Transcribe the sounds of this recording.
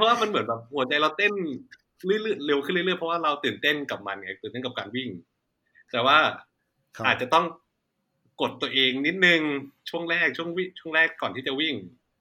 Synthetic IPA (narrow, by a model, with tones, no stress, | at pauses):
pʰɔ˦˥waː˥˩ma˧nmɯ˩˦nbɛː˨˩p̚hu˨˩˦ɐt͡ɕa˧jɾa˧wt̪e˥˩n | lɯ˥˩˨jlɯ˥˩jle˧wkʰɯ˥˩˨lɯ˥˩lɯ˥˩jpʰɔ˦˥waː˥˩ɾa˧wt̪ɯː˨˩nt̪e˥˩nka˨˩p̚ma˧nŋa˧˩t̪ɯː˨˩nt̪e˥˩kpkaː˧nwi˥˩ŋ | t̪ɛː˨˩waː˥˩ | aː˨˩t̪̚t͡ɕa˨˩t̪ɔ˥˩ŋ | ko˨˩t̪ːu˧ɐʔeː˧ŋni˦˥t̪̚nɯ˨˧ŋt͡ɕʰu˥˩əŋɾɛː˥˩k̚t͡ɕʰu˥˩əŋwi˥˩t͡ɕʰu˥˩ə˨ŋɾɛː˥˩kːɔː˨˩nt̪ʰiː˥˩t͡ɕa˨˩wi˥˩ŋ